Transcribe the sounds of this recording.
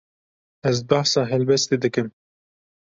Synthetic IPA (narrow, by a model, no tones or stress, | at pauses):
ɛzbɑhsɑːɦɛlbɛst̪ed̪ɨkɨm